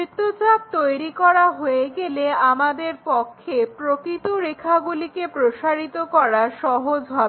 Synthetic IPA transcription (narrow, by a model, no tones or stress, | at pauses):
it̪ːot͡ɕab̚t̪ojɾikɔɾaɦoeɡeleamad̪eɾpɔkʰːepɾokɾit̪oɾekʰaɡulikepɾoʃaɾit̪okɔɾaʃɔɦod͡ʑbʱa